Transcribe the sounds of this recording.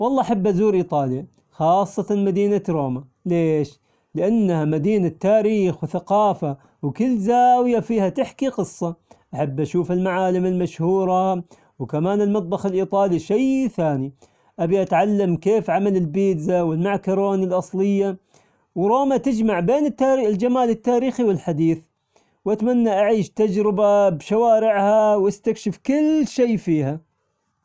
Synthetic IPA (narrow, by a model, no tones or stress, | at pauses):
wɑlˤːɑːʔaħabːʔazuːɾʔiːt̪ˤɑːlja | xɑːsˤːɑt̪amad̪iːnaɾoːma | leːʃ | lɪʔanːhamad̪iːnat̪ːaːɾiːxwθaqɑːfa | wkɪlːzaːwjafiːhat̪ɪħkiqɨsˤːɑʔaħabːʔaʃuːfɪlmaʕaːlɪmɪlmaʃhuːɾˤɑ | wkamaːnɪlmɑt̪ˤbɑxɪlʔiːt̪ˤɑːliʃajθaːni | ʔabiʔat̪ʕalːamkeːfʕamalɪlbiːd̪zawɪlmaʕkɑɾoːnɪlʔɑsˤlɪjːa | wɾoːmat̪ɪd͡ʒmaʕbeːnɪt̪ːaɾild͡ʒamaːlɪt̪ːaːɾiːxiwɪlħad̪iːθ | wʔat̪manːaʔaʕiːʃt̪ad͡ʒɾɪbabʃawaːɾɪʕhawʔast̪akʃɪfkɪlʃeːfiːha